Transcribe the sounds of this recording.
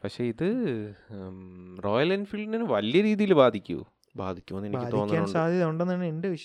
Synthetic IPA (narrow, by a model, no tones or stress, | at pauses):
pɐkʂeːiðɨ | ro̞ːjɐlɐnfilɖininɨʋɐlijɐɾiːðijilbaːd̪ʱikʲːṵ | baːd̪ʱikʲːumonːɨenikːɨːd̪oi̞ːnʲːaːnsaːd̪ʱjɐðɐuɳɖenːnːende̞ʋiʂ